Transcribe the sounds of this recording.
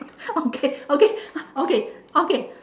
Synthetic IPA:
okeokeokeoke

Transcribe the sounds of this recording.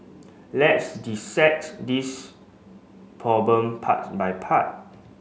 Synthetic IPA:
lɛtsdisɛk̚tdis | pʰɹɔblə̃mpʰa̰t̚bajpʰat̚

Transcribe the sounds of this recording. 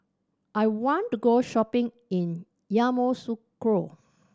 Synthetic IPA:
ʔajwɔ̃ntuɡoʃɔpɪ̃ŋ | ĩn | jamosukɹo

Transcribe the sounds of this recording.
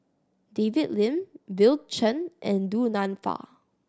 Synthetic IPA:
devitlɪ̃mbilt͡ʃə̃nʔɛ̃ndunãnfa̰

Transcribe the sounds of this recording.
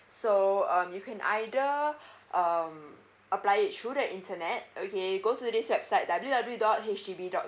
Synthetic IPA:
soʌ̃mjukʰɛ̃nʔa̰jdəʔam | ʔəplajit̚tuɾɛʔĩntənɛt̚okeɡotudiswɛbsaɪt̚dabəljudabludɔt̚ɦet͡ʃtibidɔt̚

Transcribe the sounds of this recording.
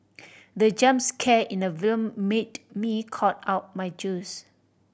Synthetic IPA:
dəd͡ʒãmskʰɛʔĩnəvilmːetmikʰɔt̚aʊt̚majd͡ʒus

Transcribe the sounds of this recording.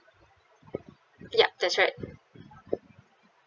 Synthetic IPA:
jæ̰p̚ðætsɹaɪt̚

